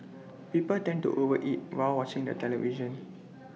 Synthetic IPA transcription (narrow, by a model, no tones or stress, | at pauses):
pipəltɛ̃ntṵʔovəʔit̚waɪlwɔt͡ʃɪ̃ŋdə̰tʰɛlɛviʒə̃n